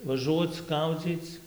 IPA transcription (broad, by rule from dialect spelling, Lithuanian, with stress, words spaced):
ʋɐˈʒuɔt͡s ˈɡɐʊd͡zʲiːt͡s